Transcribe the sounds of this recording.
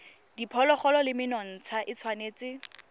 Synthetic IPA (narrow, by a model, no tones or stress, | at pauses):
d̥ipʰɔlɔχɔlɔlɪmɪnɔn̩t͡sʰaʔɪt͡sʰwaneːt͡sɪ